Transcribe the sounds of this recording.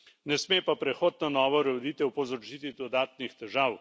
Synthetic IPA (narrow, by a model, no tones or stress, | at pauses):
nɛsmeːpapɾɛxoːd̪̚nɔnɔːʋɔɾɔd̪iːt̪ɛwpɔzɔɾt͡ʃiːt̪id̪ɔd̪aːt̪nixt̪ɛʒaːw